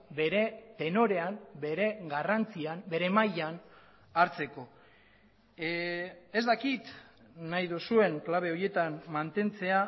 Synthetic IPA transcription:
be̞ɾe̞t̪e̞no̞ɾe̞ambe̞ɾe̞ɡarant͡siambe̞ɾe̞majan | aɾt͡se̞ko̞ | e̞zd̪akit̪ | najðusue̞ŋklaβ̞e̞o̞je̞t̪ammant̪e̞nt͡se̞a

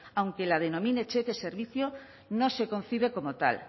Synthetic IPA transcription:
awŋkelað̞enomĩnet͡ʃekeseɾβiθjo | nõsekon̟θiβ̞ekomot̪a̰l

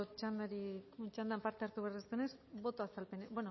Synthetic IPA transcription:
ot͡ʃand̪aɾit͡ʃand̪ampaɾt̪eaɾt̪uβeaɾrðest̪enesbo̞t̪oasalpe̞nebweno

